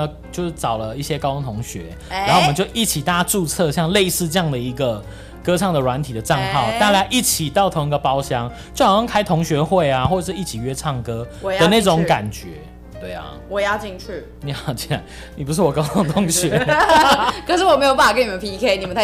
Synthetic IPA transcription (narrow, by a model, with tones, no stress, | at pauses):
t͡ɕjo˥˧ʊʂ̩˥˩ʈ͡ʂɑ˨˩ʊlə˦i˥˩ɕjɛ˦kɑ˥t̪ʰʊ˧˥ŋt̪ʰʊ˧˥ŋɕɥɛ˧˦ | ɻa˧nxo˥˩wm˧˦t͡ɕjo˥˧ʊʔi˥˩t͡ɕʰi˨˩t̪a˥˩a˥ʈ͡ʂu˥˧t͡sʰɤ˥˧ɕjɑ˥˧ŋle˥˧ɪsɹ̩˥˧ʈ͡ʂə˥˧jɑ˥˩ŋd̪ə˩i˧˥ɡə˨ | kɤ˥ʈ͡ʂʰɑ˥˩ŋd̪ə˩lwa˧˦nt̪ʰi˨d̪ə˩ʈ͡ʂa˥˧ŋxɑ˥˩ʊt̪a˥˧t͡ɕja˥ɪʔi˥˩t͡ɕʰi˨˩t̪ɑ˥˩ʊt̪ʰo˧˥ŋi˥ɡə˨pɑ˦˥ʊɕjɑ˦ŋ | t͡ɕjxɑ˥ŋkʰa˥ɪt̪ʰʊ˧˥ŋɕɥɛ˧˥xwe˥˩ɪa˨xwɔ˥˧ə˨ʂ̬ɻ̩˥˧i˥˩t͡ɕʰi˨˩ɥɛ˦ʈ͡ʂʰɑ˥˩ŋkɤ˦˥˨ə˨˦na˥˩ɪʈ͡ʂʊʊ˧˦ŋka˨˩nt͡ɕɥɛ˨˧˦ | t̪we˥˩ɪa̰˨˩wɔ˨˩jɑ˥˧ʊt͡ɕi˥˧ŋt͡ʃʰy˥˩ | ni˨xɑ˨˩ʊt͡ɕʰi˥˩na˧˦ɪ | ni˨˩p̬u˧˥ʂɻ̩˥˩wɔ˨˩kɑ˥ʊt̪ʰo˥ŋt̪ʰʊ˧˥ŋɕɥɛ˧˦ | kʰə˨˩ʂ̬ɻ̩˥˩wɔ˨˩me˧˥ɪjo˨˩pa˥˩fa˨kə˥ni˨˩mə˦pʰi˧˥kʰe˥ɪni˨˩mə˨nt̪ʰ